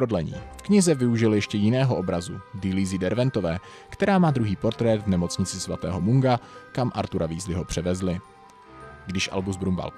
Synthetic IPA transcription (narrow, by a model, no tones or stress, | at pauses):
odlɛɲḭːfkɲɪzɛvɪuʒɪljɛʃcɛjɪnɛːɦo̞ʔobɾazudɪliːzɪdɛɾvɛnt̪o̞vɛː | kt̪ɛɾaːmaːd̪ɾuɦiːpo̞ɾt̪ɾɛːd̪vnɛmo̞t͡sɲɪt͡sɪsvat̪ɛ̰ːɦo̞muŋɡakamʔa̰ɾt̪uɾʔaviːzlɪɦo̞pr̝̥ɛvɛzlɪ | ɡdɪʃʔa̰lbuzbɾumba̰l